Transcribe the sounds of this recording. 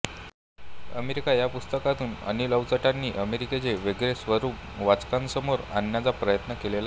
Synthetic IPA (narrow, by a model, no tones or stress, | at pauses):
əmeɾikajapust̪əkat̪uːnə̰niləʋt͡səʈanːiːʔəmeɾiket͡seʋeɡɾesʋəɾuːp | ʋat͡skãnsəmoɾa̰nːjat͡sapɾəjət̪nəkelela